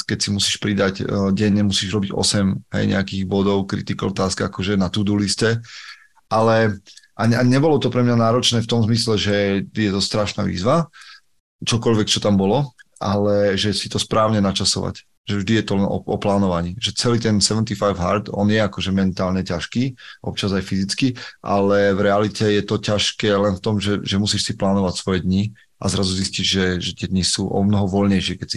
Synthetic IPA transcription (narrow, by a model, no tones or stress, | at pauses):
kɛcsimusiːʃpɾid̪aɟɟɛɲːɛmusiːʒɾɔbiɟɔ̰sɛmɦɛ̰jɲʔɛ̰akiːɣbɔd̪ɔʊkɾḭt̪ikɔɔt̪aːskɛakɔʒɛnat̪ud̪uliscɛ | ʔalɛʔaɲaɲɛbɔlɔt̪ɔpɾɛmɲanaːɾɔt͡ʃnɛːft̪ɔmzmislɛʒɛjɛt̪ɔst̪ɾaʃna̰ːʋḭːzʋa | t͡ʃɔkɔʎʋɛkt͡ʃɔt̪ambɔlɔʔalɛʒɛsit̪ɔspɾaːʊɲɛnat͡ʃasɔ̰ʋa̰c | ʒɛvʒd̪ijɛt̪ɔlɛnɔ̰ʔɔ̰plaːnɔʋaɲiːʒɛt͡sɛliːt̪ɛnsɛʋɛnt̪ifajvɦa̰ɾt̪ɔ̰njɛakɔʒɛmɛnt̪aːlɲɛcaʃkiːʔɔ̰p̚t͡ʃazajfizit͡skiʔa̰lɛvɾɛalicɛjɛt̪ɔcaʃkɛːlɛnft̪ɔmʒɛʒɛmusiːʃsiplaːnɔʋacsʋɔjɛd̪ɲi | a̰zɾazuzisciʒʒɛʒɛt̪ɪɛd̪ɲisuʔɔ̰mnɔɦɔʋɔlɲɛjʃɪɛkɛcsi